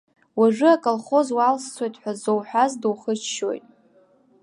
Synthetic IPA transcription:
waʐɨakʼolχo̞zwalst͡sʷʰojtʼħʷᶣazowħʷᶣazduwχət͡ʃʃo̰jtʼ

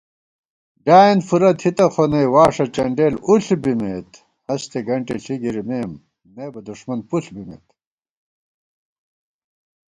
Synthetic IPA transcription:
ɖaːinfuɾɐt̪hit̪ɐxʰonɐjwaːʂɐt͡ɕɐɳɖeːluɬbimeːt̪ | hɐst̪eɡɐɳʈeɬiɡiɾimeːmː | eːbɐd̪uʂmɐnpuɬbimḛt̪

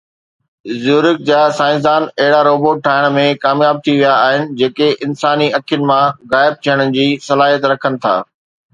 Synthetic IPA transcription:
zuːɾɪk̚d͡ʑaːsãːɪ̃zd̪aːnɐɦɪɽaɾoːboːʈ̚ʈʰːaːɪɽ̃mẽkaːmjaːb̚t̪ʰiʋijaːɦɪnɪ̆d͡ʑeːkeʔɪnsaːniɐkʰijʊnɪ̆mãɣaːɪb̚t̪ʰijəɽ̃əd͡ʑiːsɐlaːɦijət̪ɾɐkʰənɪ̆t̪ʰa̰ː

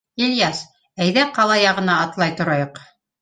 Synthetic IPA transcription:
ilʲjɑs | æjðæqɑlˠɑjɑʁɤ̆nɑːt̪lˠɑjt̪ŏɾɑjoq

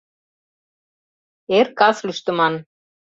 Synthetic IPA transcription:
erkɑslyʃt̪ɘ̆mɑn

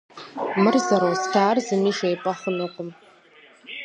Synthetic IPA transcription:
mɨrzaɾowstʰaːrzɨmiʃajpʼaχənɨqʷʼʊm

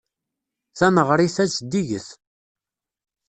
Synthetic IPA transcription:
θæməʁɾˤiθæt͡sːd̪iʝəθ

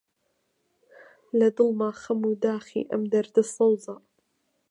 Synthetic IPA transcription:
lad̪ɨlmaːxamuːd̪aːxḭːʔamd̪ɐɾd̪ɨsˤɑwzˤɑ

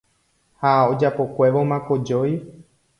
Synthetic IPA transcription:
haod͡ʒapo̞kʷe̞ʋo̞mãkod͡ʒoj

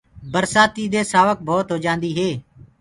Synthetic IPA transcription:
bəɾsaːt̪iːd̪eːsaːʋək̚bʱɔːt̪ɦoːd͡ʒãːnd̪iːɦeː

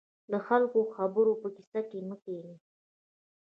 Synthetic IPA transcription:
ləxalkoxabəɾopəki̥sakeməkeli

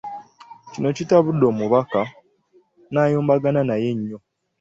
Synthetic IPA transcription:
cino̞citaβudːo̞ːmuβaka | naːjoːmbaɡananaje̞ɲːo̞

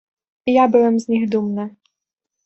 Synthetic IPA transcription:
jabɪvɛmzʲnʲixd̪umnɛ

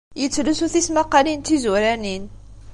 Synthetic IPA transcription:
jət͡sːlusuθismaqɑlint̪izuɾænin

